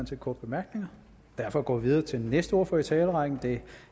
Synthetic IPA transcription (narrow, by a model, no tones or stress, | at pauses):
nt͡sʰe̝lkʰɒːd̥̚b̥e̝mæɐɡ̥ne̝ŋɐ | d̥æɐfɒ̽ɡ̥ɒ̰ʋið̞ˠɐːt͡sʰe̝lnesd̥əo̝̰ːfɒit͡sʰɛːləʁɑ̈ɡ̥n̩d̥e̝